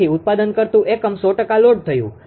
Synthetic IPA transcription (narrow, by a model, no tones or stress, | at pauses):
iʊt̪̚pad̪ənkəɾt̪ũʔekəmsɔʈəkaloɖ̚t̪ʰəjṵ̃